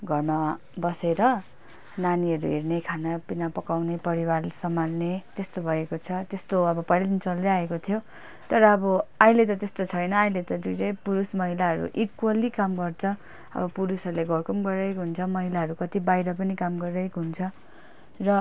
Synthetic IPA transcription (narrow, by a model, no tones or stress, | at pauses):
ɡʱʌrma | bʌseɾʌ | naniɦʌɾṵɦiɾnekʰanapinapʌkawnepʌɾiwarsʌmarnet̪est̪obʱʌekot͡sʰʌt̪est̪oʌbʌpʌjlʌd̪int͡sʌld̪eaekot̪ʰjo | t̪ʌɾʌːbʌailet̪ʌt̪est̪ot͡sʰʌjnʌailet̪ʌd̪ujd͡zʌjpuɾusmʌɦilaɦʌɾṵʔikwʌlikamɡʌrt͡sʰʌ | ʌ̰bʌpuɾusʌɾuleɡʌrkʌmɡʌrʌjkɦunt͡sʰʌmʌɦilaɦʌɾukʌt̪ibajɾʌp̬ʌnikamɡʌʌjkɦunt͡sʰʌ | rʌ